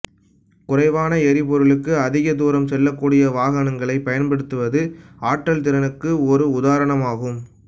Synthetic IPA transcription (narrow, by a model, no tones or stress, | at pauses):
kʊrɐɪʋaːnɐɛɾɪpɔɾɯɭɯkːɯɐðɪɣɐd̪uːɾɐmsɛlːɐkːuːɽɪjɐʋaːɣɐnɐŋɡɐɭɐɪpɐjɐnpɐɽɯt̪ːɯʋɐðɯaːʈrɐlt̪̬ɪɾɐnɯkːɯɔɾɯʊðaːɾɐɳɐmaːɣɯm